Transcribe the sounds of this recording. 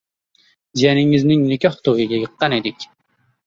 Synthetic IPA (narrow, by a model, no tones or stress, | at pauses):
zijɛnɪŋɪznɪŋnɪkʲɑht̪ʰowɨɡʲɛjəqːɑnid̪ɪkʲ